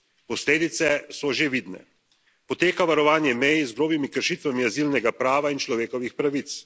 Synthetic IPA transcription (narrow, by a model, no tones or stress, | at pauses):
pɔsleːd̪it̪sɛsɔʒeʋid̪nɛ̰ | pɔt̪eːkaʋaɾɔʋaːnjɛmɛjizɡɾoːbimikəɾʃiːt̪ʋamiazilnɛɡapɾaːʋaint͡ʃlɔʋeːkɔʋixpɾaʋit̪s